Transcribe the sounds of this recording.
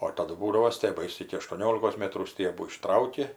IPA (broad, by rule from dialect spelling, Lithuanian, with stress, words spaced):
oː ɪr tɐˈdʊ ˈbuːdɐʋoː sʲtʲiɛˈbɐɪs ɪkʲɪ ɐʃtuɔˈnʲoːlʲɪkoːs ˈmʲeːtruː ˈsʲtʲiɛbuː ɪˈʃtrɐʊkʲɪ